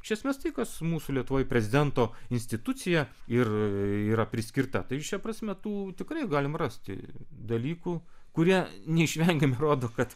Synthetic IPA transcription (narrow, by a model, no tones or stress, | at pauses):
ʃʲɛsʲmʲest̪ɐɪkɐsmuːsulʲiɛt̪ʊʋoːjpʲɾʲɛzʲɪd̪ʲɛnt̪oːɪnʲsʲt̪ʲɪt̪ʊt͡ssʲɪjɛɪriːɾɐpʲɾʲɪsʲkʲɪrt̪ɐt̪ɐɪʃʲɛpɾɐsʲmʲɛt̪uːt̪ʲɪkɾɐɪɡɑːlʲɪmrɑsʲt̪ʲɪ̰d̪ɐlʲiːkukʊɾʲiɛnʲɛɪʃʲʋʲɛŋʲɡʲɛmʲɪɾoːd̪oːkɐt̪